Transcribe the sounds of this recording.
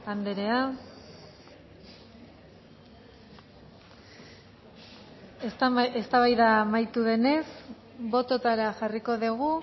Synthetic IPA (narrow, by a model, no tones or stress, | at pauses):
and̪eɾe̞a | sest̪aβajðaːmajt̪uðe̞ne̞s | bo̞t̪o̞t̪aɾaʝariko̞ðiɣ̞u